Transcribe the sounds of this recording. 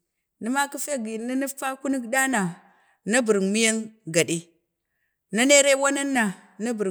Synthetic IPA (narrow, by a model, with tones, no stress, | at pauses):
ni˦ma˦ki˦fe˦ɡi˨ni˦ni˦fa˦ku˦ni˦ɡda˦na˨ | na˦bu˨ɾŋmi˦ja˦nɡa˨di˦ | na˦ne˦ɾe˦wa˦na˦nːa˨ | na˦bu˨ɾ